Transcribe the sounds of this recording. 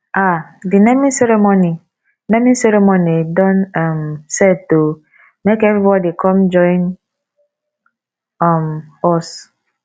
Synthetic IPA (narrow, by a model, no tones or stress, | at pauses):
adinemĩnsɛɾemoni | neminseɾemonidɔnamseto | mekevɾibɔdikʰɔmd͡ʒɔin | amɔs